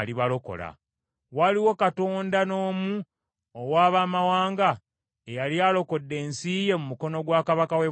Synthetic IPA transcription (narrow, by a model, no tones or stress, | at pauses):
liβalo̞ko̰la̰ | waliwo̞katoːndano̞ːmu | owaːβaːmawaːŋɡa | ejaljaːlo̞ko̞dːe̞ːnsije̞mumuko̞no̞ɡwaːkaβakawe